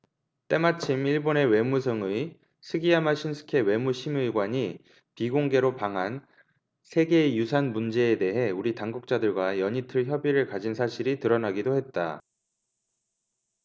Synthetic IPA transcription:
t͈e̞mat͡ɕʰimiɭbone̞we̞musʰɯŋɯi | sʰɯɡiamaɕʰinsʰɯ̥kʰe̞we̞muɕʰimɯɭɡwaɲi | piɡoŋɡe̞ɾopaŋɦan | sʰe̞ɡe̞jusʰanmund͡ʑe̞ːde̞ɦe̞uɾitaŋɡuk̚t͡ɕ͈adɯɭɡwajʌɲitʰɯɭçjʌbiɾɯɭkad͡ʑinsʰaɕʰiɾitɯɾʌnaɡidohe̞t̚t͈a̰

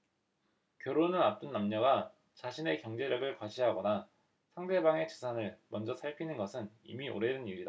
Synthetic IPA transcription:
kjʌɾonɯnap̚t͈ɯnːamɲʌɡa | t͡ɕaɕʰine̞kjʌŋd͡ʑe̞ɾjʌɡɯɭkwaɕʰiɦaɡʌna | sʰaŋde̞baŋe̞t͡ɕɯsʰanɯɭmʌnd͡ʑʌsʰaɭpʰinɯnɡʌsʰɯnḭmiʔo̰ɾe̞dɯniɾida

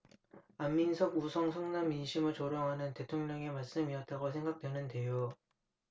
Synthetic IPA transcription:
amːinsʰʌɡusʰʌŋsʰʌŋnamːinɕʰimɯɭt͡ɕoɾʌŋɦanɯnte̞tʰoŋɲʌŋe̞maɭs͈ɯmiʌt̚t͈aɡosʰe̞ŋɡak̚t͈we̞nɯnde̞jo

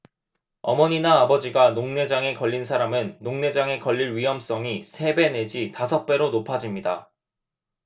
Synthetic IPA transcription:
ʌmʌɲinaːbʌd͡ʑiɡanoŋne̞d͡ʑaŋe̞kʌʎːinsʰaɾamɯnːoŋne̞d͡ʑaŋe̞kʌʎːiɾɥiɦʌms͈ʌŋisʰe̞be̞ne̞d͡ʑitasʰʌk̚p͈e̞ɾonopʰad͡ʑimɲida

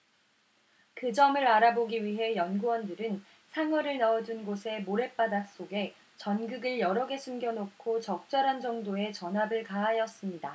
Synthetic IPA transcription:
kɯd͡ʑʌmɯɾaɾaboɡiɥiɦe̞jʌnɡuwʌndɯɾɯn | sʰaŋwʌɾɯɭnaʌd͡ʑunɡosʰe̞moɾe̞p͈adas͈oɡe̞ | t͡ɕʌnɡɯɡɯɭjʌɾʌɡe̞sʰumɡjʌnokʰot͡ɕʌk̚t͡ɕ͈ʌɾɦand͡ʑʌŋdoe̞t͡ɕʌnɦabɯɭkaɦajʌs͈ɯmɲida

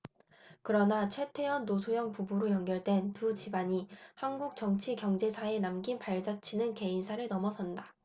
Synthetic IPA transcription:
kɯɾʌnat͡ɕʰwe̞tʰe̞ʌnːosʰojʌŋpubuɾojʌŋɡjʌɭdwe̞ntut͡ɕibaɲihanɡuk̚t͡ɕʌŋt͡ɕʰikjʌŋd͡ʑe̞sʰae̞namɡinpaɭd͡ʑat͡ɕʰinɯnke̞insʰaɾɯɭnʌmʌsʰʌnda

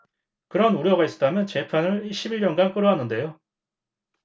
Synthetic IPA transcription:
kɯɾʌnuɾjʌɡais͈ɯ̥t͈amjʌnt͡ɕe̞pʰanɯɭiɭɕ͈ʰibiɭjʌnɡank͈ɯɾoɦanɯnde̞jo

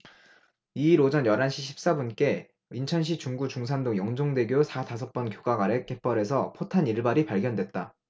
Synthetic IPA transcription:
iːɾod͡ʑʌnjʌɾanɕʰiɕʰi̥p̚s͈abunk͈e̞ | int͡ɕʰʌnɕ̬ʰit͡ɕuŋɡut͡ɕuŋs̬ʰandoŋjʌŋd͡ʑoŋde̞ɡjosʰatas̬ʰʌk̚p͈ʌnkjoɡaɡaɾe̞k͈e̞p͈ʌɾe̞s̬ʰʌpʰotʰaniɭbaɾipaɭɡjʌndwe̞t̚t͈a

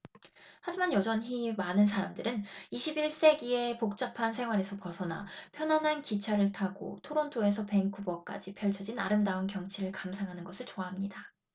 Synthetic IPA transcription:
had͡ʑimanjʌd͡ʑʌnɦimanɯnsʰaɾamdɯɾɯniɕʰibiɭs͈e̞ɡie̞pok̚t͡ɕ͈ʌpʰansʰe̞ŋɦwaɾe̞sʰʌpʌsʰʌna̰pʰjʌnɦanɦankit͡ɕʰaɾɯɭtʰaɡo̰tʰoɾontʰoe̞s̬ʰʌpe̞ŋk͈ubʌk͈a̰d͡ʑipʰjʌɭt͡ɕʰʌd͡ʑina̰ɾɯmdaonkjʌŋt͡ɕʰiɾɯɭkamsʰaŋɦanɯnɡʌsʰɯɭt͡ɕoaɦamɲida

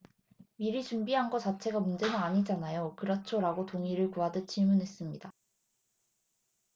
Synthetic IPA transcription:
miɾit͡ɕumbiɦanɡʌt͡ɕat͡ɕʰe̞ɡamund͡ʑe̞nɯnaɲid͡ʑanajokɯɾʌt͡ɕʰoɾaɡotoŋiɾɯɭkoadɯt͡ɕʰiɭmunɦe̞s͈ɯmɲid̥a

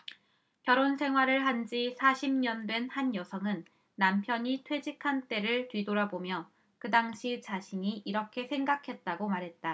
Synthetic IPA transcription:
kjʌɾonsʰe̞ŋɦwaɾɯɭɦand͡ʑisʰaɕʰimɲʌndwe̞nhanjʌsʰʌŋɯnː | ampʰjʌɲitʰwe̞d͡ʑikʰant͈e̞ɾɯɭtɥidoɾabomjʌ | kɯdaŋɕʰit͡ɕaɕʰiɲiʔiɾʌkʰe̞sʰe̞ŋɡakʰe̞t̚t͈aɡomaɾɦe̞t̚t͈a

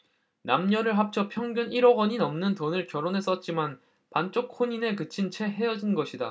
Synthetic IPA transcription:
namɲʌɾɯɭɦap̚t͡ɕʰʌpʰjʌŋɡʲjuniɾʌɡʌɲinʌmnɯntʌnɯɭkjʌɾonɦe̞s͈ʌt̚t͡ɕ͈iman | pant͡ɕ͈ok̚kʰoɲine̞kɯt͡ɕʰint͡ɕʰe̞ɦe̞jʌd͡ʑinɡʌɕʰida̰

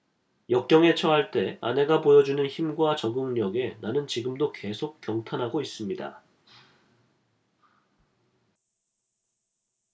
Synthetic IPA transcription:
jʌk̚k͈jʌŋe̞t͡ɕʰʌɦaɭt͈e̞a̰ne̞ɡapojʌd͡ʑunɯnçimɡwat͡ɕʌɡɯŋɲʌɡe̞nanɯnt͡ɕiɡɯmdoke̞sʰok̚pjʌŋtʰanɦaɡois͈ɯmɲida̰

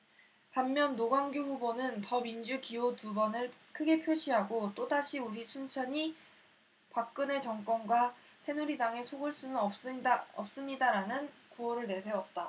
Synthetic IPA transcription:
pamːjʌnːoɡwaŋɡjuɸubonɯntʌmind͡ʑukiotubʌnɯɭkʰɯɡe̞pʰjoɕʰiɦaɡot͈odaɕʰiuɾisʰunt͡ɕʰʌɲi | pak̚k͈ɯne̞t͡ɕʌŋk͈ʌnɡwa | sʰe̞nuɾidaŋe̞sʰoɡɯɭs͈unɯnʌʌp̚s͈ɯmɲidaɾanɯnkuʌɾɯɭne̞sʰe̞ʌt̚t͈a

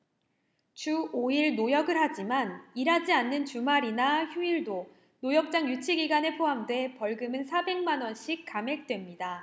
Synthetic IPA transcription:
t͡ɕuoiɭnojʌɡɯɾhad͡ʑimaniɾad͡ʑianːɯnt͡ɕumaɾinaçjuiɭdo | nojʌk̚t͡ɕ͈aŋjut͡ɕʰiɡiɡane̞pʰoamdwe̞pʌɭɡɯmɯnsʰabe̞ŋmanwʌnɕʰikk͈ame̞k̚t͈we̞mɲida

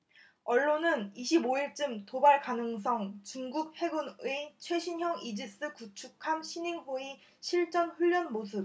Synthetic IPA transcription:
ʌɭːonɯniɕʰiboiɭt͡ɕ͈ɯmtobaɭkanɯŋs̬ʰʌŋt͡ɕuŋɡuk̚he̞ɡunɯt͡ɕʰwe̞ɕʰinɦjʌŋid͡ʑis͈ɯkut͡ɕʰukʰamɕʰiniŋɦoi | ɕʰiɭt͡ɕ͈ʌnɸuʎːʌnmosʰɯp̚

